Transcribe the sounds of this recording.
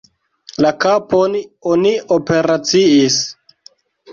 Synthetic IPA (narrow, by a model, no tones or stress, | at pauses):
lakapononiope̞ɾat͡siis